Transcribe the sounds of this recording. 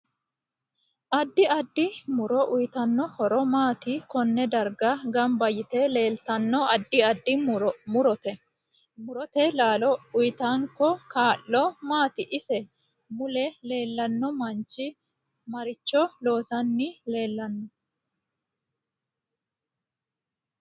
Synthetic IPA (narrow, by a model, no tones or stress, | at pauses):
ʔɐd̪ːɪɐd̪ːɪmʊɾɔʔʊjt̪ɐnːɔhɔɾɔmaːt̪ɪkɔnːɛd̪ɐɾɡɐɡɐmbɐjɪt̪ɛle̞ːlt̪ɐnːɔɐd̪ːɪɐd̪ːɪmʊɾɔt̪ɛ | mʊɾɔt̪ɛlaːlɔʊjt̪aŋkːɔkaːʔːɔmaːt̪ɪʔɪsɛ | mʊlɛle̞ːlːɐnːɔmɐnt͡ʃːɪ | mɐɾɪt͡ʃːɔlo̞ːsɐnːɪle̞ːlːɐnːɔ